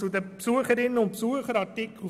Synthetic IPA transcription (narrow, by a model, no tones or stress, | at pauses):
t͡sʊd̪əpsuəχəɾɪnːəʊnt̚psuəχəɾɑɾtɪkʰl̩ˠ